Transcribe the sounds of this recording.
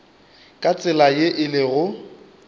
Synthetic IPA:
kʼat͡sʼɪlajeʔɪlɪɣʊ

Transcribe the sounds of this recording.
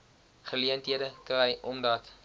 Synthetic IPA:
χəliəntɦiədəkrɛjʔɔmdɐt

